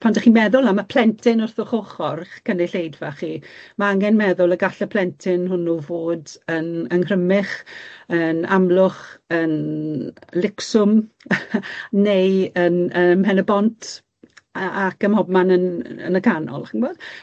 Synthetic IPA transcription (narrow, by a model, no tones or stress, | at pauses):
pʰandaχiːmɛðʊlˠamapʰl̥ɛntʰɪnʊrθʊχoχɔrkənɪɬejdvaχimaaŋɛnmɛðʊlˠəɡaɬəpʰl̥ɛntʰɪnɦʊnːuvoːdənənhrəmɪχənamlˠʊχən | lɪksʊm | nejənəpʰɛnəbɔntʰ | əakəmhɔb̚manənə̰nəkʰanɔ̰lˠχɪnboːd̥